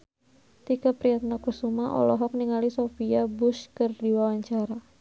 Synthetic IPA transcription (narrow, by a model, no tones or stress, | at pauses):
t̪ikapɾiat̪̚nakursumaʔɔ̰lɔɦɔk̚niŋalisofiabʊskərdiwawaɲt͡ʃaɾa